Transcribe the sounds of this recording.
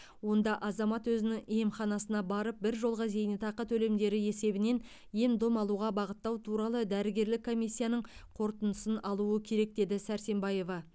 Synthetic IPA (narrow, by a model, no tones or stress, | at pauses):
wo̞n̪d̪ɑʔɑzɑmɑt̪wɵzɪnɪŋijemχɑnɑsənɑbɑɾəp̚bɪɾʒo̞lˠʁɑze̞jɪnɪt̪ʰɑqət̪ʰɵle̞md̪e̞ɾɪe̞se̞bɪne̞n | je̞md̪omɑlˠuʁɑbɑʁət̪ːɑwt̪ʰuɾɑlˠəd̪æɾɪɡʲe̞ɾlɪkʰːo̞mijsʲːijɑnəɴqʰo̞ɾt̪ənəsənɑlˠuəkʲʰe̞ɾe̞k̚d̪e̞d̪ɪsæɾse̞mbɑje̞vɑ